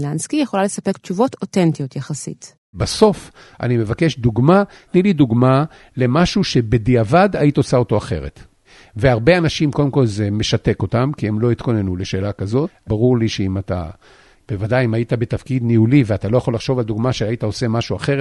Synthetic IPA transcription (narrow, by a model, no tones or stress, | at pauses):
lanskijeχolalesapekt͡ʃuvo̞totentijotjaχasḭt | baso̞f | ʔa̰nime̞vakeʃduɡma | tnilid̪uɡma | le̞maʃuʃe̞bediavadait̪aosaoto̞aχe̞̰ʁḛt | veaʁbe̞anaʃimko̞d̪emko̞lzeme̞ʃate̞ko̞tamkiemlo̞it̪ko̞nenule̞ʃe̞ːlakazo̞baʁuʁliʃeimata̰ | b̥e̞vadajimaitabet̪afkid̪niuliveatalo̞jaχo̞laχʃo̞vald̪uɡmaʃeaitao̞se̞maʃuaχe̞ʁ